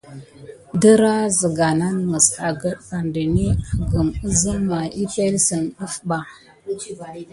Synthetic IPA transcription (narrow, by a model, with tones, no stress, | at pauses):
də˦ɾa˦zə˨ɡa˨na˦nmə˨sa˨ɡə˦ɗka˨ndə˨ni˦kə˨ɡə˨mə˦zə˦ma˨ʔi˦pe˦lsə˨nɗə˦fba˨